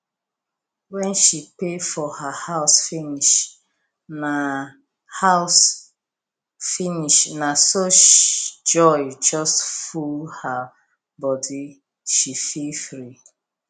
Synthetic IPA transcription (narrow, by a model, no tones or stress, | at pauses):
wɛ̃nʃipefɔhahaʊsfiniʃ | na | haʊs | finiʃnasoʃd͡ʒɔjd͡ʒɔstfulha | bɔdi | ʃifilfɹi